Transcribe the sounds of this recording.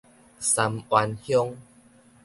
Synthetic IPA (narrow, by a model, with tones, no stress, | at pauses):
sa˧mwa˧nhjɔ˦ŋ